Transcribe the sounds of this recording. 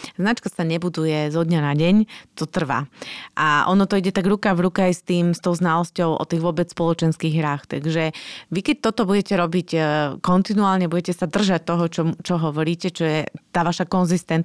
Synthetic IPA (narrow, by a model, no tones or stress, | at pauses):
znat͡ʃkasaɲɛbud̪ujɛzɔd̪ɲanaɟɛɲt̪ɔt̪r̩ʋa̰ʔaʔɔ̰nɔt̪ɔiɟɛt̪aɡɾukaɣʋɾukɛajst̪iːmst̪ɔʊznalɔscɔʊʔɔ̰t̪iːɣʋʊɔbɛt͡sspɔlɔt͡ʃɛnskiːɣɦɾaːxt̪aɡʒɛʋikɛc̚t̪ɔt̪ɔbuɟɛcɛɾɔbicːkɔnt̪inuaːlɲɛbuɟɛcɛsad̪r̩ʒac̚t̪ɔɦɔt͡ʃɔmt͡ʃɔɦɔʋɔɾiːcɛt͡ʃɔjɛt̪aːʋaʃakɔnzist̪ɛn